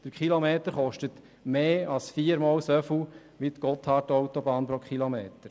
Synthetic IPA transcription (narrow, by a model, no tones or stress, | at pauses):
d̥əɾkχilomeːt̪əɾχɔʃtət | meːɑlsfiːɾmɔːlsœfu | ʋit̪ɡ̥ɔt̪hɑːtɔwtobɑːnpɾɔkʰχilomeːtəɾ